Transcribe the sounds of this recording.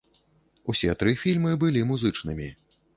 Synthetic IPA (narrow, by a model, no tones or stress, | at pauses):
usʲɛt̪ɾɨfʲilʲmɨbɨlʲimuzɨt͡ʂnɨmʲi